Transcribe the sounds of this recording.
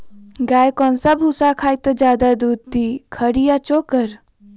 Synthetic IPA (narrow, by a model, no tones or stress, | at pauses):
ɡaːjkɔːnsabʱusakʰaːjt̪əd͡ʒaːd̪ad̪uːd̪t̪ikʰəɽijat͡ʃoːkəɾ